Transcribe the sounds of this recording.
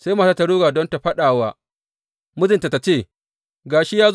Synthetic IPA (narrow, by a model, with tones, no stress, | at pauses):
sa˦jmaː˦˨sa˦ta˦ɽuː˦ɡaː˨dɔ˦nta˨ɸɐ˦ɗaː˨waː˦ | mʊ˦zɪ˨nta˨ta˨t͡ʃeː˦˨ | ɡaː˨ʃi˦jaː˦z